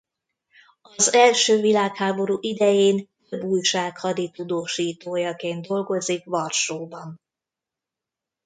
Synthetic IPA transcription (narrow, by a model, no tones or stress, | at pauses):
ɒzɛlʃøːvilaːkhaːbo̞ɾuːʔid̪ɛjeːnt̪øbːuːjʃaːkhɒd̪it̪ud̪oːʃiːt̪oːjɒkeːnd̪d̪o̞lɡo̞zikʋɒrʃoːbɒn